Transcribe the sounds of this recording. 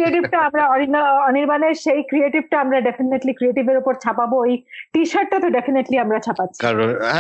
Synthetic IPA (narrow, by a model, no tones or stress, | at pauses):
ɾieʈibʈaamɾaɔninːoɔniɾbaneɾʃejkɾieʈibʈaamɾaɖefineʈlikɾieʈibeɾupoɾt͡ɕʰapaboejʈiʃaʈ̚ʈat̪oɖefʰineʈliamɾat͡ɕʰapatːɕʰiaɾon